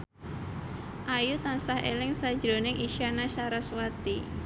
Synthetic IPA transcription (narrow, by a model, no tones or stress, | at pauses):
ʔajut̪ansahḛlɪŋsad̥d͡ʒɾo̤nɪŋʔiʃanaʃaɾaswat̪i